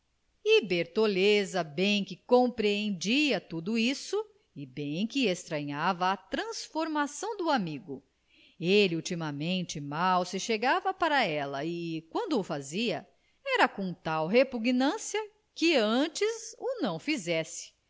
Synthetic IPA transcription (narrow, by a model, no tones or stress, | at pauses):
ibeɾt̪olezɐbẽj̃kɪkõpɾeẽnd͡ʒiɐt̪ud̪ʊisʊ | ɪbẽj̃kɪest̪ɾɐ̃ɲavɐːt̪ɾɐ̃sfoɾmasɐ̃w̃d̪ʊamiɡʊ | elɪut͡ʃimɐmẽnt͡ʃɪmawsɪʃeɡavɐpaɾɐɛlɐɪkwɐ̃nd̪ʊːfaziɐ | ɛɾɐkõt̪awɦepuɡnɐ̃sjɐ | kɪɐ̃t͡ʃɪzʊnɐ̃w̃fizɛsɪ̥